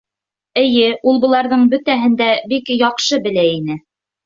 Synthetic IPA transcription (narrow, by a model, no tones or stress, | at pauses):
ɘ̆jɘulˠbɤ̆lˠɑɾðɤɴbɵ̆t̪æɦɘ̆nd̪æbikjɑqʃɤbɘ̆læinɘ